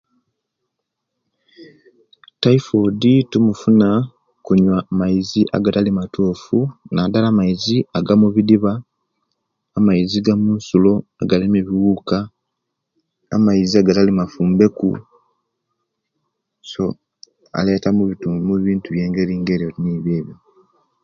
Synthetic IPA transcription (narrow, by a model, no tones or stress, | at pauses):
taifoditumufuna | kuɲwamajiziʔa̰ɡatalimatʰoːfunadalaːmaiziaɡamuβidiβa | maiziɡamuːnsulo̞aɡalimeβiwuka | majiziaɡatalimafuːmbe̞kṵ | so̞ | a̰le̞tamuβitumuβiːntuβje̞ːŋɡe̞ɾiːŋɡe̞ɾioiniːβje̞ːβjo